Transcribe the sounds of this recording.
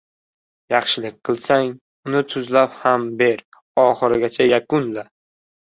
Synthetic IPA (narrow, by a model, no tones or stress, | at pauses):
jɑχʃɪlɪk̚ʲqʰɨlˠsaŋ | ʊnɪt̪ʰʊzlaphambe̞ɾ | ɒχɨɾɪɡʲat͡ʃʰajakʊnla